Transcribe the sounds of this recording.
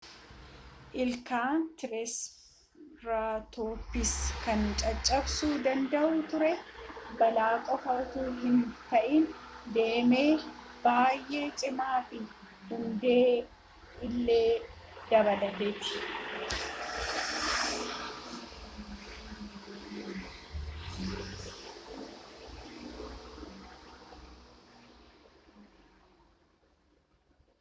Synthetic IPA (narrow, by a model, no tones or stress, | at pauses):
ʔɪlkaːnt̪ɪɾɛs | ɾaːt̪oːpːɪskɐnt͡ʃʼɐt͡ʃʼːɐbsuːd̪ɐnd̪ɐʔuːt̪ʊɾɛbɐlaːkʼɔfɐɾt̪uːɦɪnt̪ɐʔɪnd̪e̞ːme̞ː | baːjʔe̞ːt͡ʃʼɪmaːfɪ | hʊnd̪e̞ː | ɪlːe̞ː | d̪̥ɐβɐlɐd̪eːt̪ːɪ̥